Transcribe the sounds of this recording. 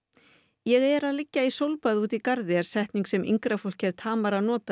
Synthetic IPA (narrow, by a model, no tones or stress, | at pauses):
jɛɣɛɾaðlɪcːaisowlpaðuːt̪ikaɾðɪɛɾ̥sɛjht̪niŋksɛmḭŋkɾafowl̥cɛɾt̪ʰaːmaɾanɔːt̪a